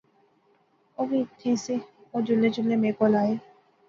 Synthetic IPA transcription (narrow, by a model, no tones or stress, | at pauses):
oːbit̪ʰẽːseoːd͡ʒʊled͡ʒʊlːẽːmẽːkoːlaːeː